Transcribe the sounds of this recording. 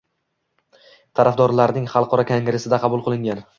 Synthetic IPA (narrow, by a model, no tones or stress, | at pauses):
t̪ʰaɾafd̪ɒɾlaɾnɪŋχɑlˠqʰɒɾɒkʲʰaŋɡɾesɪd̪aqʰɑbʊlˠqʰɨlˠɪŋɡʲan